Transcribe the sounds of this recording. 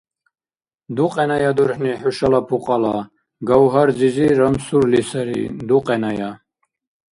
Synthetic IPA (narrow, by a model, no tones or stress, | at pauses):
d̪uqʼɛnajad̪uɾħniħuʃalapʰuqʼala | ɡawɦaɾd͡ziziɾamsuɾlisaɾḭd̪uqʼɛnaja